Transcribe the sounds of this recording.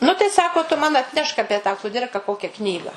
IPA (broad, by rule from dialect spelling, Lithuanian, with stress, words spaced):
nʊ tɐɪ ˈsɑːkoː tʊ mɐn ɐtʲˈnʲɛʃk ˈɑːpʲiɛ tɑː kʊˈdʲɪrkɐ ˈkoːkʲɛ ˈknʲiːɡɐ